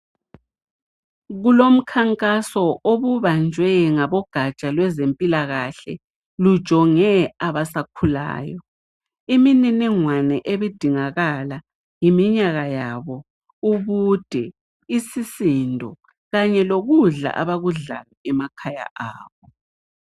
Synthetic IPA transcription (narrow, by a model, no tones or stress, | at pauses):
ɣulom̩kʰaŋkʼasɔʔoβuβand͡ʒʱwɛŋaβɔɡ̥ʱat͡ʃʼalwɛzempʼilaɣaɬɛ̰ | lu̥ʒ̥ʱɔŋɛaβasakʰula̰ːjɔ | imininiŋwanɛʔeβid̥ʱiŋaɣala | jimiɲaɣajaβɔ | uβud̥ʱɛ | isisindʱɔ̰ | ɣaɲɛloɣuɮa̰ʔa̰βaɣuɮa̰lɔɛmakʰaja̰ʔa̰ːβɔ